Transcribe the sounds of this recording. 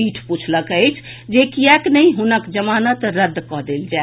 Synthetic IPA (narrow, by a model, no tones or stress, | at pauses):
iʈʰput͡ʃʰləkəjt͡ʃʰ | d͡ʒekiɛknəiɦunəkd͡ʒəmanət̪ɾəd̪ʱːkɔɦd̪eld͡ʒae